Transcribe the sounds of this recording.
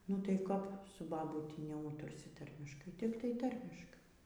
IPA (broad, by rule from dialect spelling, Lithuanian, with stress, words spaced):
nʊ tɐɪ ˈkɐp sʊ bɐˈbuːtʲɪ nʲɛˈuːtʊrʲsʲɪ ˈtɐrʲmʲɪʃkɐɪ ˈtʲɪktɐɪ ˈtɐrʲmʲɪʃkɐɪ